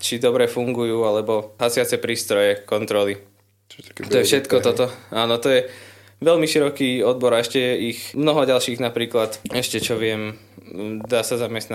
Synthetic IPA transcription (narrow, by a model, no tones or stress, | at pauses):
t͡ʃid̪ɔbɾɛfuŋɡujuːalɛbɔɦasɪat͡sɛpɾiːst̪ɾɔjɛkɔnt̪ɾɔli | t̪ɔjɛfʃɛt̪kɔt̪ɔt̪ɔaːnɔt̪ɔjɛ | ʋɛlmiʃiɾɔkiːɔd̪̚bɔɾaɛʃcɛjɛixmnɔɦɔɟalʃiːɣnapɾiːklat̪ɛʃcɛt͡ʃɔʋɪɛm | d̪aːsazamɛst̪na